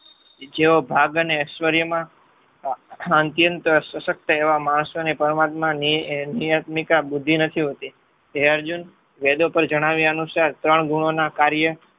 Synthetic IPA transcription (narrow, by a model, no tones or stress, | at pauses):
d͡ʒeobʱaɡəneəʃʋəɾjəmã | ənt̪jənt̪əsəʃək̚t̪əeʋamaɳ̃sʋənepəɾmat̪mãnijat̪mikabʊd̪ʱːinət̪ʰiɦot̪i | eəɾd͡ʒun | ʋed̪opəɾd͡ʒəɽ̃aʋjaənusaɾt̪ɾəɳɡuɽ̃onakaɾjə